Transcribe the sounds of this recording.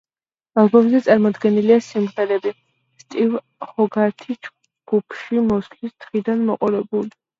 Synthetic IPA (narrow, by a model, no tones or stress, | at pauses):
alˠbɔmzɛt̪sʼaɾmɔd̪ɡɛniliasimχɛɾɛbi | st̪ʼiv | χɔɡaɾt̪ʰid͡ʒ | ɡ̥upʰʃimɔslist̪ʰχid̪anmɔqʼɔɾɛbuli